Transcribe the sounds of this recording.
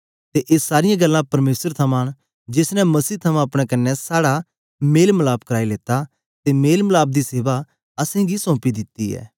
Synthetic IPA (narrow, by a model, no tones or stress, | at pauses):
t̪eʔeːsaːɾɪjãɡɐlːãpɐɾmeːsəɾt̪ʰɐmãːñ | d͡ʒɪsnɛmɐsiːt̪ʰɐmãɐpɽ̃ɛkɐnːɛsaːɽa | meːlməlaːbkɐɾaːileːt̪a | t̪emeːlməlaːb̚d̪iseːʋa | ɐsẽɡisɔ̃ːpid̪ɪt̪ːiɛ̰ː